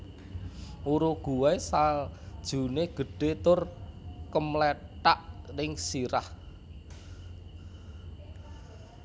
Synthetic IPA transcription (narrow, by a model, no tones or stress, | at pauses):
ʔuɾoɡ̥ṳwaesald̥ʒ̥ṳneɡ̥ə̤ɖ̥e̤t̪ʊrkəmletaʔrɪŋsiɾah